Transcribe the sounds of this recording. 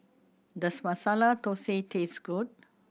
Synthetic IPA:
d̪ɐsmɐsalat̪oseːt̪ʰeːsɡuɖ̚

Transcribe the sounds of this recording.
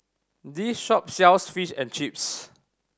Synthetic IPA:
disʃɔp̚sɛʊsfiʃɛ̃nt͡ʃip̚s

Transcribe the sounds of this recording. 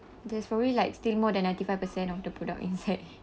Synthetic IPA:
dɛspɹɔblilaɪkstilmɔdɛ̃nːãj̃ntifajvpəsɛ̃nɔfdəpɹɔda̰kḭ̃nsaɪt̚

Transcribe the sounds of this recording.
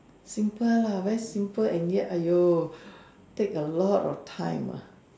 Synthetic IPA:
sĩmpəlawɛɹisĩmpəlɛ̃njɛʔajo | tekəlɔtɔ̰ftʰãj̃ma̰

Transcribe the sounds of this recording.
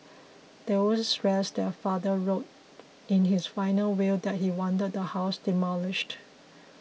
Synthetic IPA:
d̥ɛsɹɛsdɛfadəɹot | ɪ̃nɦɪsfãɪ̃nəlwɪldɛt̚hiwɔ̃ndəd̚dəhaʊsd̥ɪmɔlɪʃt

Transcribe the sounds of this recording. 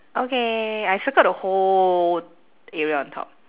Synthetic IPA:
ʔokeajfəkət̚əho | ɛɹiaɔ̃ntʰɔ̰p̚

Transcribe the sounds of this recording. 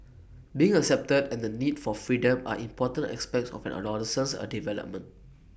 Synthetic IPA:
biɪ̃ŋəksɛp̚tədɛ̃ndənidfɔfɹidə̃ma̰ʔĩmpɔtə̃ntɛ̰kspɛk̚tsɔ̰fɛ̰̃nə̰lɔɾəsə̃nsə̰divɛlə̰p̚mə̃nt

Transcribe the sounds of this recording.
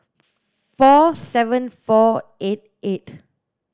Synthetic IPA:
fɔsɛvə̃nfɔet̚et

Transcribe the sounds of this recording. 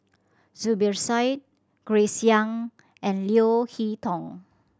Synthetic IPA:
zubəɹsajt̚ | ɡ̥ɹesiãŋ | ʔɛ̃nliohitʰɔ̃ŋ

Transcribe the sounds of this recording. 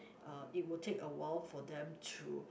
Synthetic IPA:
ait̚wiltʰekəwɔlfɔd̪ɛ̃mtʰṵ

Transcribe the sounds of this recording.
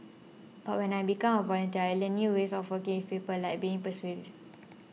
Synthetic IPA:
b̥aʔwɛ̃najbikãmɔvɔlə̃ntiajlə̃nːjuɹesɔfwəkĩŋĩfepəlajk̚biĩŋpəswi

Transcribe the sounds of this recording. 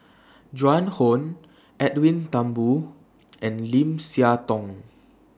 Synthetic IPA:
d͡ʒãnhõn | ɛtwĩnt̪ãmbu | ʔɛ̃nlĩmsiat̪ɔ̃ŋ

